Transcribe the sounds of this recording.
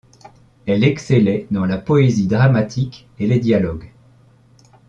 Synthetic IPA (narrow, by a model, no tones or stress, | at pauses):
ɛlɛkselɛd̪ɑ̃lapɔezid̪ʁamat̪ʰik | eled̪jalɔɡ